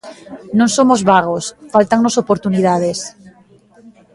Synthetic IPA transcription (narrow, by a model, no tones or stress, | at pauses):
nõnsomozβaɣ̞osfalt̪aŋnosopoɾt̪uniðaðes